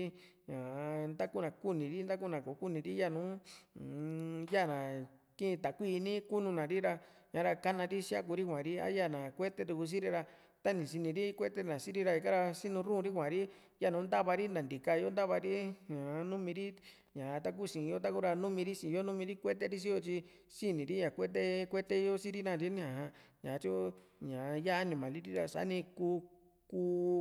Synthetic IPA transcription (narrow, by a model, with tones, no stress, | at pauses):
i˦ | ɲã˨nd̪a˦ku˦nã˨ku˦nĩ˨ɾi˦nd̪a˦k̬u˦nã˨ko˨˦ku˦nĩ˨ɾi˦ja˦˨nũ˨˦˨ | ja˦˨nã˨kĩ˦˧t̪a˨kʷiː˦˧nĩ˦ku˦nũ˧nã˨ɾi˦ɾa˧ | ɲã˨˦ɾa˧ka˦nã˧ɾi˦ʃi˦a˦ku˧ɾi˦kʷã˨ɾi˦a̰˦ja˦˨nã˨kʷe˦t̪e˧t̪u˧ku˧s̬ĩ˦ɾi˧ɾa˧ | t̪a˦nĩ˨ʃi˧nĩ˧ɾi˦kʷe˦t̪e˦nã˨si˦ɾi˧ɾa˧i˧ka˦ɾa˧ʃi˦nũ˧ɾũ˦˧ɾi˦kʷã˨ɾi˦ | ja˦˨nũ˨˦nd̪a˦βa˧ɾi˦nã˨nd̪i˨ka˧jo˦nd̪a˦βa˧ɾi˦ɲã˨˦nũ˦mĩ˧ɾi˦ | ɲã˨˧t̪a˧k̬u˦˨sĩ˨˧jo˦t̪̬a˦ku˦ɾa˧nũ˦mĩ˧ɾi˦sĩ˨˧jo˦nũ˦mĩ˧ɾi˦kʷe˦t̪̬e˦˧ɾi˦ʃ̬i˦jo˧t͡ʃi˧ | si˦nĩ˨ɾi˦ɲã˨kʷe˦t̪̬e˦kʷe˦t̪e˦˧jo˦si˦ɾi˦nã˧˨ɾi˦ñ˦ã˨hã˧ɲã˨˧t͡ʃu˦ | ɲã˨˧ja˦nĩ˧˨mã˨li˦ɾi˦ɾa˧sa̰˨˦nĩ˧kuː˧ | kuː˧˦